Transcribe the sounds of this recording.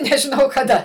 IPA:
nʲɛʒʲɪˈnɐʊ kɐˈdɐ

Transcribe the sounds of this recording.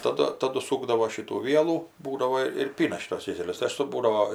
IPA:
tɐˈdʊ tɐˈdʊ ˈsuːɡdɐʋoː ˈʃʲɪtuː ˈʋʲiɛlˠuː ˈbuːdɐʋoː ɪr ˈpʲiːnɐ ˈʃʲiːtuɔs ˈkʲeːsʲɛlʲʊs tɐɪ ˈɐʃ sʊ ˈbuːdɐʋoː

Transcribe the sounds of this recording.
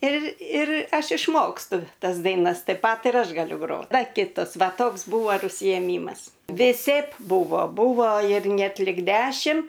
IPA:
ɪr ɪr ˈɐʃ ɪʃˈmoːkstʊ ˈtɐs dɐɪˈnɐs tɐɪp ˈpɐt ɪr ˈɐʃ ɡɐˈlʲʊ ˈɡroːt ˈdɐ ˈkʲɪtɐs ˈʋɐ ˈtoːks ˈbuːʋoː ɪr ʊʃʲsʲɪjɛˈmʲiːmɐs ʋʲɪˈsʲɛɪp ˈbuːʋoː ˈbuːʋoː ɪr ˈnʲɛt lʲɪk ˈdʲæːʃʲɪm

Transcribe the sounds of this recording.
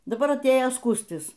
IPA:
dɐˈbɐr ɐtʲˈeːjoː ˈskuːsʲtʲɪs

